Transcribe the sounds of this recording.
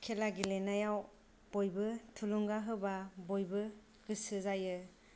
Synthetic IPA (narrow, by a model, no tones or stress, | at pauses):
kʰelaɡilenajaw | b̥ojbɯtʰuluŋɡaɦɯbabojbɯ | ɡ̥ɯsɯzajɯ